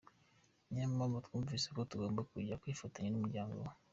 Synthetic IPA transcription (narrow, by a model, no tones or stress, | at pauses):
ɲammomotkumvisekotuɡoːmbekuɟakwifotaɲenumuɟaːŋɡo̰w